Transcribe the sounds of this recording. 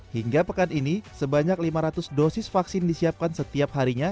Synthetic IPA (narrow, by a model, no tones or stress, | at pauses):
hiŋɡapəkaninisəbaɲak̚limaɾat̪ʊsdosɪsfaksɪndisiap̚kansət̪iap̚haɾiɲa